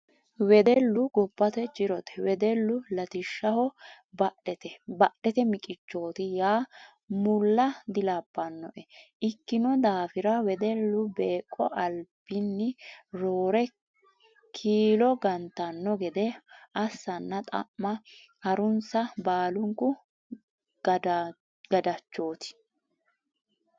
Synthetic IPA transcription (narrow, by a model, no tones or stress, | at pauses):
wɛd̪ɛlːʊɡɔpːɐt̪ɛt͡ʃɪɾɔt̪ɛ̥wɛd̪ɛlːʊlɐt̪ɪʃːɐhɔ | bɐɗɛt̪ɛbɐɗɛt̪ɛmɪkʼɪt͡ʃːo̞ːt̪ɪjaː | mʊlːɐd̪ɪlapːɐnːɔ̰ʔɛʔɪkːɪnɔd̪aːfɪɾɐwɛd̪ɛlːʊbeːkʼːɔʔɐlbɪnːɪɾoːɾɛ | kʰiːlɔɡɐnt̪ɐnːɔɡɛd̪ɛɐsːɐnːɐt̪ʼɐ̰ʔmɐ | hɐɾʊnsɐbaːlʊŋkʊ | d̪ | ɡ̥ɐd̪ɐt͡ʃːo̞ːt̪ɪ̥